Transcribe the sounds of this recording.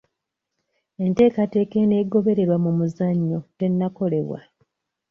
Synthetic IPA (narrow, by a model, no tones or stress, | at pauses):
e̞nte̞ːkate̞ːke̞ne̞ːɡo̞βe̞ɾe̞ɾwamumuzaɲːo̞te̞nːako̞le̞̰βwa̰